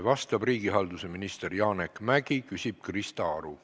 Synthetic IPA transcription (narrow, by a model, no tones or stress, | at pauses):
vɑst̪ɑb̥riːɡ̥iɦɑld̪use̞minist̪e̞rjɑːnekmæɡ̥ikysʲib̥̚krist̪ɑɑɾu